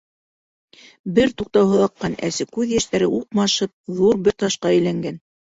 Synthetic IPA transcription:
bɘɾt̪uq̚t̪ɑwɦɤ̆lˠɑqːɑnæ̰sɘkʉðjæʃt̪æɾɘʔuqmɑʃɤp̚ðuɾbɘɾt̪ɑʃqɑɘ̆jlæŋɡæn

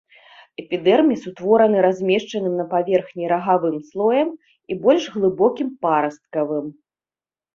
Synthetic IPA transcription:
ɛpʲid̪ɛrmʲisut̪vɔɾɐnɨɾazʲmʲɛʂt͡ʂɐnɨmnɐpavʲɛrxnʲiɾɐɣavɨmslˠɔjɐm | ibɔlʲʂɣlˠɨbɔkʲimpaɾɐst̪̚kɐvɨm

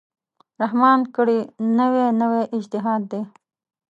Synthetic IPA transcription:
ɾaɦmɑːnkəɽinəwenəweʔɪd͡ʒt̪ɪɦɑːd̪ːe

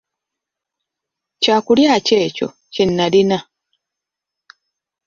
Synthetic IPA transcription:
caːkuljaːce̞ːco̞̰ | cenːalina

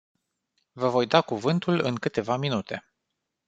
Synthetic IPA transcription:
vəvo̞jd̪akuvɨnt̪ulɨ̰ŋkɨt̪e̞vaminut̪ʰe̞

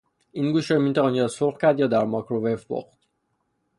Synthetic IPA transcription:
ʔiːnɡuːʃɾɒːmint̪ʰæɒnjɒsoxcʲʰæɾd̪jɒːd̪æɾmɒkʰɾovefbo̰χt̪

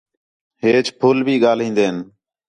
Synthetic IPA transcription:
ɦeːt͡ʃpʰʊlbʱiːɠaːlɦĩːnd̪eːn

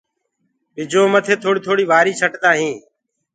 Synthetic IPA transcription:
bɪd͡ʒoːmət̪ʰeːt̪ʰoːɽiːt̪ʰoːɽiːʋaːɾiːt͡ʃʰəʈt̪aːɦĩː

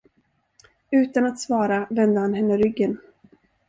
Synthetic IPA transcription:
ʉ̟ːt̪anat̪svɑːɾavɛnd̪əhanɦɛnːəɾʏɡːən

